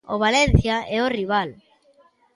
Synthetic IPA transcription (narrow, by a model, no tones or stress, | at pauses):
oβalen̟θjaɛoriβ̞al